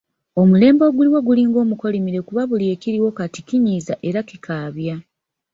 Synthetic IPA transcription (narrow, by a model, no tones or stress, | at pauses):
o̞mule̞ːmbo̞ːɡuliwo̞ɡuliŋɡo̞ːmuko̞limiɾe̞kuβaβulje̞ːkiɾiwo̞katikiɲiːzaʔe̞ɾakikʰaːβja